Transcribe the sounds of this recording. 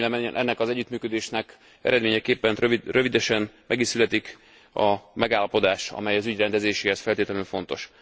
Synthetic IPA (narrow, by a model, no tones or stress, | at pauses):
lɛmɛʔɛnːɛkɒzɛɟːyt̪myːkød̪eːʃnɛk | ɛ̰ɾɛd̪meːɲɛkeːpːɛnørøvid̪ɛʃɛnmɛɡiʃsylɛt̪ik | ɒmɛɡaːlːɒpo̞d̪aːʃɒ̰mɛjɒzyɟrɛnd̪ɛzeːʃeːhɛsfɛlt̪eːt̪ɛlyɱfo̞n̪t̪o̞̰ʃ